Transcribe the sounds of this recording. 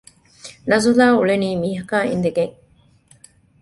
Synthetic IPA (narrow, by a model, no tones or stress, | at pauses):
nɐzulaːuɭeniːmiːɦɐkaːḭnd̪eɡeŋ